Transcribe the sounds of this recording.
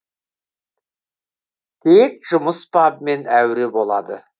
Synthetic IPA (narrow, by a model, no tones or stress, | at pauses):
t̪ʰek̚ʒ̥ʊməspʰɑbmenæwɾebo̞lˠɑ̰d̪ə